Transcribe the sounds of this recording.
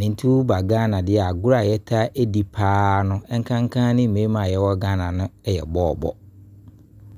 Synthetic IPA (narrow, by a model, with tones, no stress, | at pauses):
nɪ̃˨n̩˦tʰu˦ba˨ɡã˦nã˨dɪ˦˨a˨ɡʊ˦ɾa˨jɛ˦tʰa˦ʔe˦di˨pʰaː˦nʊ̃˦ɛ˦ŋ˦kʰã˦ŋ˦kʰã˦nɪ̃˦m̩˨mẽ˦mã˨jɛ˦wɔ˦ɡã˦nã˨nʊ̃˦ɛ˦jɛ̰˨bɔː˦˨bɔ̰˦